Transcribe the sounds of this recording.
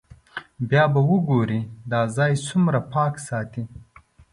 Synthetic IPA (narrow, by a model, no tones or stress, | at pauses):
bjɑːbawuɡoɾid̪ɑːzɑːjsumɾapɑːksɑːt̪i